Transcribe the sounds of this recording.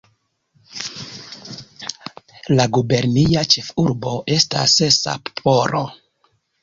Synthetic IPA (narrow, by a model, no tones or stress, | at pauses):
laɡube̞ɾniat͡ʃe̞fuɾbo̞ʔe̞sta̰sesa̰ppʰo̞ɾo